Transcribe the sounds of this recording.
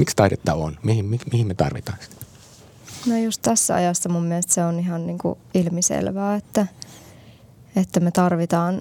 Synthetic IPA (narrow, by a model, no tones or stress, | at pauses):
mikst̪ɑidet̪ːɑo̰nmihimmimihimet̪ɑ̰rʋit̪ɑˑinsi̥t̪ | nojust̪t̪æsːæɑ̰jɑsːɑmumːielst̪seoniɦɑnniːŋkṵilmisḛlʋæːet̪ːæ | et̪ːæmet̪ɑrʋit̪ɑːn